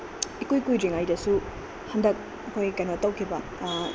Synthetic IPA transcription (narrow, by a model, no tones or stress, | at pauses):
ikujkujɾiŋajdɐsu | hɐndɐk̚ | ɐkʰojkanotɐwkʰibɐ